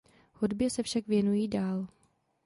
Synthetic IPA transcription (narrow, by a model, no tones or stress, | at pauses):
hudbjɛsɛfʃakvjɛnujiːdaːl